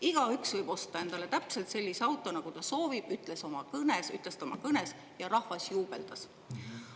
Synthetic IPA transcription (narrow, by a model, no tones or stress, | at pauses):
iɡ̥ɑyksvɤjb̥o̞st̪ɑe̞nd̪̥ɑle̞t̪æpse̞lt̪se̞lʲːiseɑwt̪ːˑo̞nɑɡ̥ut̪ɑso̞ːvib̥yt̪ˑle̞so̞mɑkɤnesy̰t̪ːˑle̞st̪ɑmʔɑkɤne̞s | jɑɾɑhvɑsjuːb̥eld̪̥ɑs